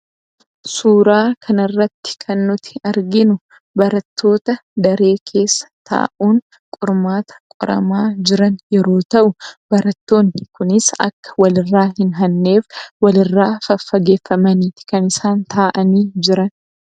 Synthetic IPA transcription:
suːɾaːkʰɐnɐrːɐt̪ːɪ̥kʰɐnːʊt̪ʰɪ̥ɐɾɡɪnʊ | bɐɾɐt̪ʰːo̞ːt̪ɐd̪ɐɾe̞ːkʰe̞ːsːɐ̥t̪a̰ːʔuːn | kʼʊɾmaːt̪ɐ̥kʼʊ̰ɾɐ̰maːd͡ʒɪɾɐnjɛɾo̞ːt̪ɐʔʊb̥ɐɾɐt̪ːo̞ːnːɪkʊnɪsɐ̰kːɐ̥wɐlɪrːaːɦɪnɦɐnːe̞ːfwɐlɪrːaːfɐfːɐɡe̞ːfːɐmɐniːt̪ɪ̥kɐnɪsaːnt̪ʰaːʔɐniːd͡ʒɪɾɐn

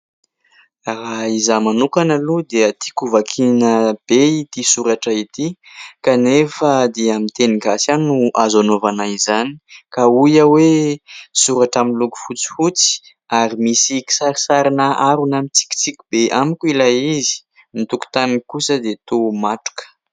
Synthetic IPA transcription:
ɾaizamanukanəlud̪eət̪i̥kuvakʰinəb̥eit̪isuɾaʈ͡ʂait̪i | kanefəd̪eamint̪eniɡasanuʔazanovanaizanii̥kaujəwesuɾaʈ͡ʂaminluku̥fut͡si̥fut͡si̥ | aɾimisiki̥saɾisaɾinaʔaɾunamit͡si̥kʲi̥t͡sikʲub̥eʔamikʲuilaizi̥ | nit̪uku̥t̪anikusəd̪et̪omaʈ͡ʂu̥kə̥

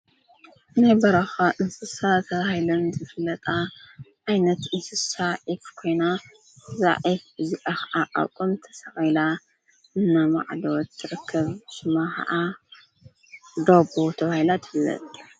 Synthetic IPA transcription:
ɨnajbɐɾɐxaʔɨnsɨsat̪ʰɐβahilɐnzɨfɨlɐt̪ʼaʔajnɐt̪ɨnsɨsaʔikkʰo̞jna | ɨza̰ʕibɨzikʼaxɐʔaʔa̰wkʼɨmt̪ʰɐ̥sɐxɐjla | ʔɨnːama̰ʕlɐwt̪ʰːɨɾɨkʰːɐβʃɨmaxɐ̰ʔa | d̪obot̪ʰɐβahilat̪ʰɨ̥fɨlːɐ̰t̪ʼ

